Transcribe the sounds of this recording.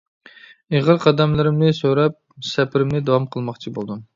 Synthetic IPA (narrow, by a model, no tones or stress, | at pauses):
eʁəɾqʰɑd̪ɛmlˠɨɾɪmnɪsøɾɛp̚sɛpʰɪɾɪmnɪd̪ɑwɑmqʰəlˠmɑχt͡ʃʰibo̰lˠd̪um